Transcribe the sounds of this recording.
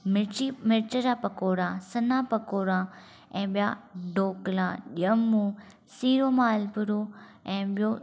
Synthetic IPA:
mɪimɪɾt͡ʃəɾapɐkoːɾãːsɐnãːpɐkoːɾã | ɛ̃ːɓija̰ɖoːklãːɗijəmũ | siːɾoːmaːlpʊɾo | ɛ̃ːɓijo

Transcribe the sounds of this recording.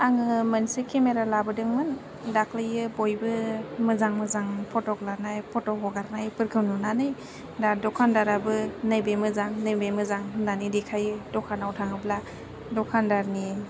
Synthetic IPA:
aŋɯmansɯkʰemeɾalabɯdɯŋmɯn | dakʰlɯjɯbojbɯmɯzaŋmɯzaŋpʰɔtɔklanajpʰɔtɔɦɔɡaɾnajpɯɾkʰɯwnunanɯj | dadɔkʰandaɾabɯnajbajmɯzaŋnɯjbajmɯzaŋnanidikʰajɯdɔkʰanawtʰaŋɯbla | dɔkʰandaɾni

